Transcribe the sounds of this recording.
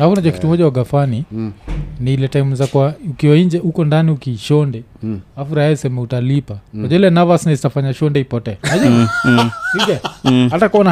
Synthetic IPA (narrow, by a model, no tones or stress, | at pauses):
afunaʄɔki̥tumɔʄawaɡafani | niilɛtaimuzakwaukiwaiɲd͡ʒɛukɔndaniukiːʃɔndɛafuɾaɛsɛmɛutalipakwaʄɔilɛnavasnazitafaɲaʃɔndɛipɔtɛanad͡ʒɛ | siɡɛhatakuɔna